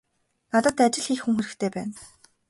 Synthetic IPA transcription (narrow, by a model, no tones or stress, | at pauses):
nat̪ə̆t̪at͡ɕɪ̆ɮxiːxxuŋxeɾɘ̆xt̪ʰeːpæːn